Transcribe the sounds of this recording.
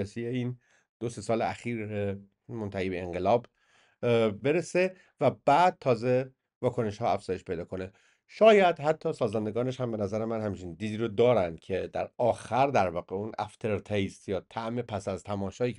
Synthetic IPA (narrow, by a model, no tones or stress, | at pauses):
esijeiːn | d̪̥osesɒːleæxiːɾe | mont̪ʰæhiːbe̞ːŋɢe̞lɒːb | be̞ɾese̞ | væbæːd̪̥̚t̪ʰɒːze | vɒːkʰo̞ne̞ʃhɒːæfz̥ɒːje̞ʃpʰe̞jd̪ɒːkʰo̞ne | ʃɒːjæd̪̥hæt̪ʰːɒːsɒːzænd̪e̞ɡɒːne̞ʃhæmbe̞næzæɾe̞mænhæmt͡ʃʰind̪iːd̪iːɾod̪ɒːɾænd̪̥cʰe̞d̪æɾɒːxæɾd̪æɾvɒːɣeunʔæ̰ft̪ʰe̞ɾt̪ʰest̪jɒːt̪ʰæʔmepʰæsæzt̪ʰæmɒːʃɒːiː